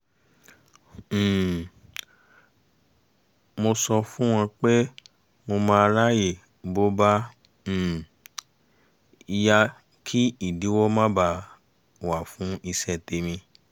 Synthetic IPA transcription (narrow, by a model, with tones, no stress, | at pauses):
mo˧sɔ˧fũ˦w̃ɔ̃˧k͡pɛ˦ | mo˧mãː˧ɾa˦je˦˨ | bo˦ba˦˨ | i˧ja˦ | kʰi˦i˨di˨˦wɔ˦mã˦ba˧ | wa˨fũ˨˦i˧sɛ˦˨te˧mĩ˧